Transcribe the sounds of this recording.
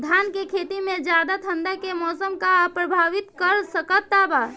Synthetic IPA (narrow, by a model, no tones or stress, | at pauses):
d̪ʱjankekʰet̪imed͡ʒjad̪at̪ʰənd̪akemɔːsəmkapɾəbʱaʋit̪kəɾsəkət̪ːaba